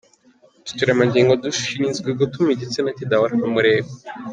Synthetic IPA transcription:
t̪u̥tiɾamaɲɟiːŋɡoduʃiinzɡeɡot̪umiɟet͡senat̪idawaɾanamuɾeːbe

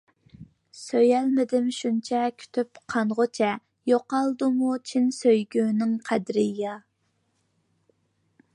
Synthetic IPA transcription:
søjælmɪd̪ɪmʃunt͡ʃʰɛkʲʰy̥t̪ʰypqʰɑnʁot͡ʃʰɛ | joqɑlˠd̪umut͡ʃʰinsøjɡʲyːnɪŋqʰæd̪ɾɪjɑ

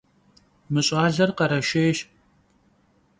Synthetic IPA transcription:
mɨɕʼaːɮɐrqɐɾɐʃeːʃ

